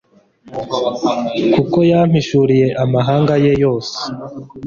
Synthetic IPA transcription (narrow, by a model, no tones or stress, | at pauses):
kuko̞jam̥hiʃuɾije̞ʔamaɦaːŋɡaje̞jo̞ːse̥